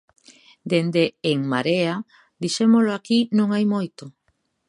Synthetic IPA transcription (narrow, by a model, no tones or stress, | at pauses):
d̪end̪eːŋma̰ɾea | d̪iʃemoloakinõŋajmojt̪o